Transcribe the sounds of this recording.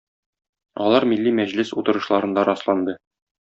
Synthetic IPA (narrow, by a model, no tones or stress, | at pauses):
ɒlˠɑɾmilːimæʑlɘsut̪ɤ̆ɾɤ̆ʃlˠɑɾɤ̆nd̪ɑɾɒslˠɑnd̪ɤ